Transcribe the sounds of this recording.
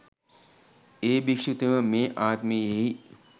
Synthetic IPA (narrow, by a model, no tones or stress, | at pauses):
eːbikʂut̪eʋəmeːʔaːt̪mejeɦi